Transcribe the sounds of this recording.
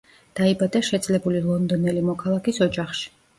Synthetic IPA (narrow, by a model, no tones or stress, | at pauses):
d̪̥aibad̪aʃɛd̪z̥ʼlɛbulilˠɔnd̪ɔnɛlimɔkʰalˠakisɔd͡ʒaχʃi̥